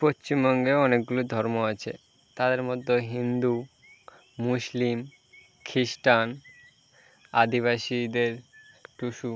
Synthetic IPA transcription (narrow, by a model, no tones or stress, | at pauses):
post͡ɕimbɔŋɡeɔnek̚ɡulod̪ʱɔɾmoat͡ɕʰḛ | t̪ad̪eɾmod̪ʱːoɦind̪u | muslim | kʰɾiʃʈan | ad̪iβaʃid̪eɾ | ʈuʃu